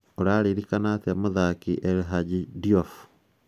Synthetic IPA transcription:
oɾaɾiɾikanatemuðakiʔeɾɦaɟidiof

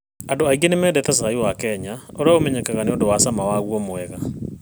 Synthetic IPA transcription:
andoaiɡenemɛdɛt̪ɛs̬aiwakɛɲaoɾeaomɛɲɛkɛɣaneondowasamawaɣwɔmoɛɣa

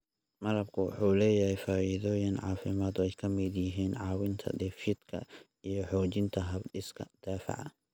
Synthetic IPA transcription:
mɐɾɐb̚kʰʊwɑ̰ħuːlɛːjɐhɛjfaːʔɪðɔːjɪnʕɑːfɪmaːd̪ɔɛjkʰɐmɪd̪jɐɦiːnʕɑːwɪnt̪ʰɐ̰d̪ɛfɪd̪kʰɐ̰ | ijɞħɔːt͡ʃɪnt̪ʰɐɦɐbdɪskʰɐ̰d̪̥aːfɪ̰ʕɐ

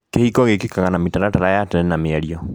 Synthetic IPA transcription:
kehikɔɣekikaɣanamitaɾataɾajatɛɾɛnameaɾjɔ

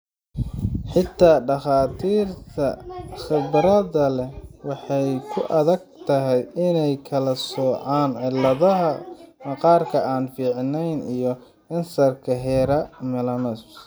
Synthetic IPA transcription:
ħɪt̪ʰːaːɖɑχɑːt̪ʰiːrt̪ʰɐχɪbɾɐðɐlɛwɑħɑjkʰʊʔɐðɐɡ̚t̪ʰɐɦɛjʔɪnɛjkʰɐlɐsɔːʕɑːnʕɪlɐðɐɦɐmɑqɑːrkʰɐʔaːnfiːʕnɛjnijɔ | ɐnsɐrkʰɐɦɛːɾɐmɛlɐnɔs

